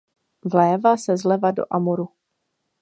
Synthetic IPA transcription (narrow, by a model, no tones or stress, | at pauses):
vlɛːvasɛzlɛvado̞̰ʔamoɾu